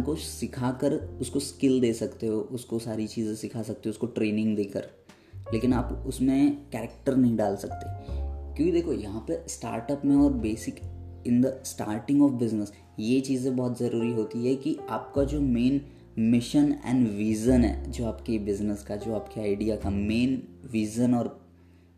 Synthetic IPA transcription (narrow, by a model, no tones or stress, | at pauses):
kosɪkʰakəɾʊskoskɪld̪eːsɐkt̪eɦoʔʊskosaːɾit͡ʃiːzẽsɪkʰasɐk̚t̪eɦɛ̃ʊskoʈɾeːnɪ̃ŋɡd̪eːkə̰ɾ | leːkɪnaːpʊsmẽkɛːɾɛk̚ʈəɾnɐɦĩɖaːlsɐkt̪eɦkjõːkid̪eːkʰojɐɦãpəsʈa̰ːɾʈəpmẽɔːɾbeːsɪkɪ̃nd̪əsʈa̰ːɾʈɪ̃ŋɡɔːfbɪznəs | jet͡ʃiːzẽbɔːt̪zɐɾuːɾiɦoːt̪iɦɛkiaːp̚kad͡ʒoːmeːn | mɪʃənɛ̰̃ːnɖʋiːzənɦɛ̰ːd͡ʒoːaːpkebɪznəskad͡ʒoːaːpkeaːɪɖijakameːnʋiːzənɔːɾ